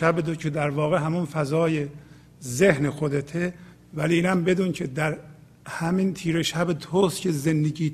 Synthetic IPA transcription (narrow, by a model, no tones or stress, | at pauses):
æbed̪ocʰed̪æɾvɒːɣe̞ɦæmunfæzɒːje | zehnexod̪et̪ʰe | væliiːnæmbe̞d̪uːncʰe̞d̪æɾ | hæmint̪ʰiːɾe̞ʃæbet̪ʰoscʰezend̪eɟiː